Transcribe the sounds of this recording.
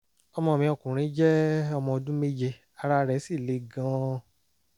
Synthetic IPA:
ɔ˧mɔ̃˧˨mĩ˧˦ɔ˧˨kũ˨ɾ̃ĩ˨˦d͡ʒɛ˦ɔ˧mɔ̃˧o˧dũ˦me˦d͡ʒe˧ | a˧ɾa˧ɾɛ˨˦si˦˨le˨˦ɡã˧

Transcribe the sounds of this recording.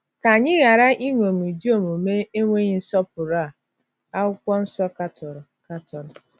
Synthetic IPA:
ka˨ɲɪ˦ɣa˨ɾa˦ʔi˦ŋʷo˨m˨i˨di˦o˦˨mo˨me˦e˦ŋʷe˦ɲɪ˦n̩˦sɔ˦p̚ʊ˨ɾa˦˨ | a˦ʊ˦kʷɔ˦n̩˦sɔ˦ka˦tɔ˨ɾɔ˨ka˦tɔ˨ɾɔ˨

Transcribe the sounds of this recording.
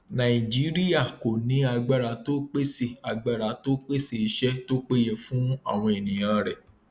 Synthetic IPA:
nã˨i˨d͡ʒi˨˦ɾi˦ja˦˨ko˨nĩ˨˦a˧ɡ͡ba˦˨ɾa˨˦to˦k͡pe˦se˦˨a˨ɡ͡ba˦˨ɾa˨˦to˦k͡pe˦se˦˨i˨˧˦ʃɛ˦to˦k͡pe˦jɛ˦˨fũ˦a̰˦˨w̃ɔ̃˧e˨nĩ˨j̃ã˧ɾɛ˨

